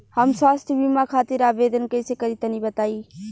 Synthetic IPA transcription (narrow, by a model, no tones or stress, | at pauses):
həmswaːst̪ʰbiːmãːkʰaːt̪ɪɾaːʋeːd̪ənkəɪseːkəɾiːt̪ənĩːbət̪aːiː